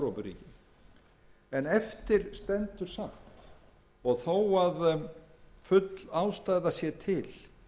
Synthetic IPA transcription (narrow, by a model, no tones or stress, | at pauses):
ɾowpʏrḭːcɪ | ɛnɛft̪ɪɾ̥st̪ɛnt̪ʏɾ̥sam̥t̪ | ɔɣθowað | fʏt̪lawst̪ajðasjɛt̪ʰɪl